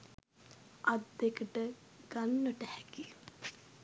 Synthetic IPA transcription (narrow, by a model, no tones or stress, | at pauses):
ad̪ːekəʈəɡ̥anːəʈəhɛki